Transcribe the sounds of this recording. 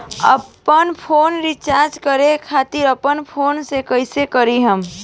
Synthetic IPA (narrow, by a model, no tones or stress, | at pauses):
ə̰pənpʰoːnɾɪt͡ʃaːɾd͡ʒkəɾekʰaːt̪ɪɾəpənpʰoːnsekəɪsekəɾiɦəm